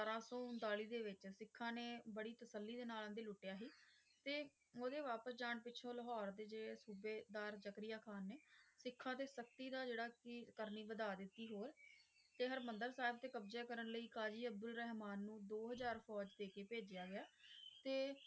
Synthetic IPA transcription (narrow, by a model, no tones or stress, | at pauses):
saɾaːsɔːʊ̃nd̪aːliːd̪eːʋɪt͡ʃsɪkʰːãːneːbəɽiːt̪əsəlːiːd̪eːnaːlãːnd̪eːlʊʈːɪjaːɦiː | t̪eː | oːd̪eːʋaːpəsd͡ʒaːɳpɪːt͡ʃʰõːləɦɔːɾd̪eːd͡ʒeːɽeːsuːbeːd̪aːɾd͡ʒəkɾɪjaːkʰaːnːeːsɪkʰːãːt̪eːsək̚t̪iːd̪aːd͡ʒeːɽaːkɪkəɾniːʋəd̪aːd̪ɪt̪ːiːɦoːɾ | t̪eːɦəɾmənd̪əɾsaːɪb̚t̪eːkəbzeːkəɾəɳləiːkaːd͡ʒiːəb̚d̪ʊlɾɛːɦmaːnːũːd̪oːɦəzaːɾpʰɔːd͡ʒd̪eːkeːpeːd͡ʒjaːɡɪjaːt̪eː